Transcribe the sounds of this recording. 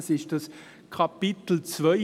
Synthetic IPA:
sɪʃd̥ɑs | kʰapɪt̪l̩t͡svœ

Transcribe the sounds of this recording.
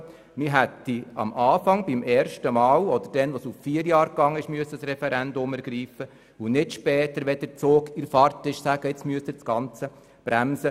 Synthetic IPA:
mɪɦæt̪ːiɑ̰mʔɑːfɑŋbɪmɛːɾʃtəmɑːwɔd̥̪əɾd̥ɛnʋosuffiːəɾjɑːɾkːɑŋːəɪʃmyəsəsɾɛfɛɾændʊmɛɾɡ̥ɾiːfə | unɪtʃpɛːt̪əɾʋɛd̥əɾt͡soːkiɾfɑɾtɪʃsæɡ̥əɪt͡smyəst̪ɪsɡ̥ɑnt͡sə | b̥ɾæmsə

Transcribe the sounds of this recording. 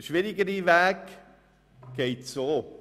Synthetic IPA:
ʃʋɪɾɪɡəɾiʋæːk | ɡ̥eɪtsoː

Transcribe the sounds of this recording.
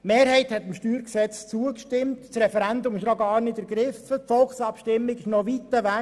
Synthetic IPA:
meːɾhɛɪhɛt̪ɪmʃtyːɾksɛt͡st͡suəkʃtɪmtsɾɛfɛɾændʊmɪʃnɔɡɑːɾnɪdəɾɡɾɪfətfɔlxsɑpʃtɪmːɪɡɪʃnoʋit̪ːəʋæ

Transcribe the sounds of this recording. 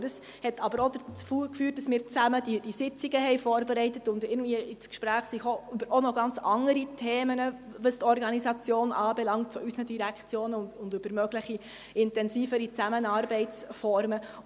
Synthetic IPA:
d̥əs | hɛtʰɑbəɾodət͡sfuːkfyːt̚dɑsmɪːɾt͡sæmədid̥isɪt͡siɡəhɛɪjfoːɾbeɾɛɪtətʊndɪɡn̩dviəʔɪt͡skʃpɾæːχsixoybəɾɔnɔɡ̥ɑnt͡sɑŋəɾitʰeːmənə | ʋəstɔɾɡɑnisɑt͡sjoːnʔɑːbɛlɑŋtfɔysnədiɾækχt͡sjoːnəʊndøbəɾmœɡ̥ləχi | ɪntɛnsiːfəɾit͡sæmənɑːɾbɛɪt͡sfɔɾmə

